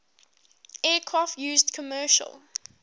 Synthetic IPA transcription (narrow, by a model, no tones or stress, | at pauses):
ɛːkʰɹaftjʉːzdkʰɔmɜːˑʃə̰lˠ